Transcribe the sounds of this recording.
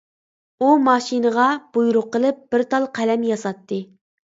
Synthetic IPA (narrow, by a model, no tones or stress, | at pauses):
umɑʃinəʁɑb̥ujɾʊqːəlˠɨp̚b̥ɪɾt̪ʰɑlˠqʰælɛmjɑsɑt̪ːɨ